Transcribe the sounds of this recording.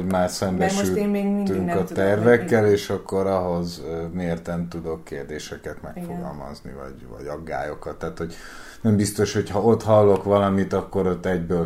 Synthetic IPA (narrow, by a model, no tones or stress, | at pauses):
ɟmaːsɛmbɛʃt̪ːyŋkɒt̪ɛrvɛkːɛleːʃɒkːo̞ɾɒɦo̞zmeːrt̪ɛnt̪ud̪o̞kːeːrd̪eːʃɛkɛt̪mɛkfoɡɒ̰lmɒ̰znḭvɒ̰ɟvɒ̰ɟɒɡːa̰ːjo̞kɒt̪ːaːt̪ho̞ɟ | nɛmbist̪o̞ʃho̞chɒo̞t̪ɦɒlːo̞kʋɒlɒmit̪ɒkːo̞ɾo̞t̪ːɛɟbøl